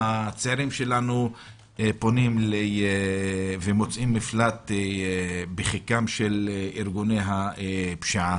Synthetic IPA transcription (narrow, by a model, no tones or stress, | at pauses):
at͡seaɾimʃe̞lanu | po̞nimlee | vemo̞t͡sʔimːiflat̪ | beχikamʃeliʁɡunejɦapʃaa